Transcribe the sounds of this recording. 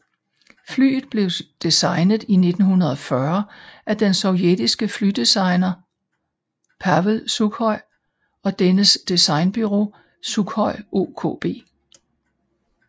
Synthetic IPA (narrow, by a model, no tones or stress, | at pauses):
fly̰ːð̩ˠb̥le̝ʊd̥esɑ̈ɪnəð̞̩ˠine̝d̥n̩hunɐðˠɒ̽fɶɐʔæd̥ensɒ̽ʊjed̥isɡ̥əflyd̥esɑ̈ɪnɐ | pʰæʋəlsuɡ̥hɒ̽ɪ̰ | ɒ̽d̥enəsd̥esɑ̈ɪnb̥yʁo̝̰ː | suɡ̥hɒ̽ɪ̰ʔo̝̰ːkʰo̰ːb̥e̝̰ː